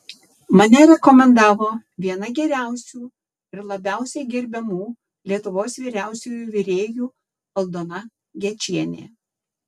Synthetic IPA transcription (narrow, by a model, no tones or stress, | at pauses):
mɐnʲɛɾʲɛkɔmʲɛnd̪ɑːʋoːʋʲiɛnɐɡʲɛɾʲæˑʊsʲuː | ɪɾlˠɐbʲæˑʊsʲɛɪɡʲɛɾʲbʲɛmuː | lʲiɛt̪ʊʋoːsʋʲiːɾʲæˑʊsʲuːjuːʋʲɪɾʲeːjuː | ʋɐlˠd̪oːnɐ | ɡʲɛt͡ʃʲiɛnʲḛː